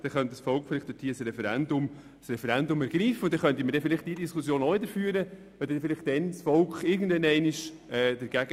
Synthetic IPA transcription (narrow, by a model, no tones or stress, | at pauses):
d̥ɛχœnt̪əsfɔlkχfɪlɪχt̪d̥̪ʊthiːsɾɛfɛɾænd̪ʊm | sɾɛfɛɾændʊmæɾɡɾiːfːəʊntd̥ɛχœntiməɾdɛfɪlɪχtd̥iːdiskusjoːnɔvɪdəɾfyːəɾə | ʋɛd̪ɛnfɪlɪχtd̥ɛnsfɔlkχɪɾɡn̩dvɛnɛɪnɪʃ | ɛːd̥̪əɾɡ̥æɡ̥ə